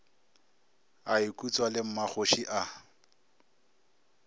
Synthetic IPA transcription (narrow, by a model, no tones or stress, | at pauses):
aɪkʼut͡sʼwalɪm̩mak͡xʰoʃiʔa